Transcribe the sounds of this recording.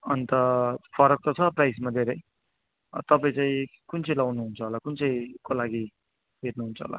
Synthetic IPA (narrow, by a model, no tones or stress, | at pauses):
ʌnt̪ʌpʰʌɾʌk̚t̪ʌt͡sʰʌprajsmad̪ʱeɾʌj | t̪ʌpaĩt͡saĩkunt͡sʰʌjlawnuɦunt͡sʰʌɦolakunt͡sʌj̃kolaɡi | ɦetnuɦunt͡sʰʌɦo̰la̰